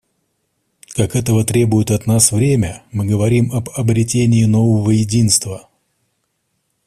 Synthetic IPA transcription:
kakɛt̪əvət̪ɾʲe̞bʊjɪt̪ɐt̪nasvɾʲemʲəmɨɡəvɐɾʲimɐbɐbɾʲɪtʲenʲɪɪno̞vəvəjɪdʲin̪st̪və

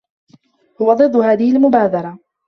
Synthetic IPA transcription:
hʊwad̪ˤɨd̪ˤːʊhaːðɪhɪlmʊbaːd̪ɑɾˤɑ

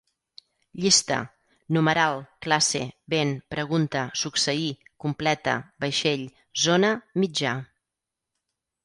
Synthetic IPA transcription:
ʎist̪ə̰ | numəɾalˠklasḛβenpɾəɣ̞unt̪əsuksəikumplɛt̪ə̰bəʃeʎ | zonəmid͡ʒa

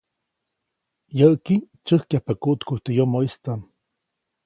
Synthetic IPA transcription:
jəʔki | t͡ʃəhkahpakuʔt̪kuiht̪ejomoist̪an

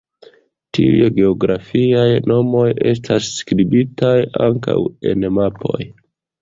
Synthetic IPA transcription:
tiṵjeɡe̞oɡɾafiajno̞mo̞je̞stʰasːkɾibitajaŋka̰we̞̰nmapʰo̞̰j

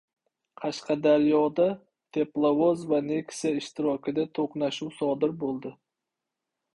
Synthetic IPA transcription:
qʰɑʃqʰɑd̪aɾjɒd̪a | t̪ʰeplˠavozvanekʲsaɪʃt̪ɪɾɒkʲɪd̪at̪ʰoqnaʃuwsɒːd̪ɪɾbolˠd̪ɪ

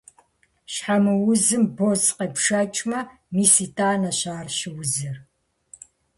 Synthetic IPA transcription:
ɕħamɨwʊzɨmbozqeːpʂɐt͡ʃʼmɐ | miːsiːtʰʼaːnɐɕaːrɕɪwʊzɨr

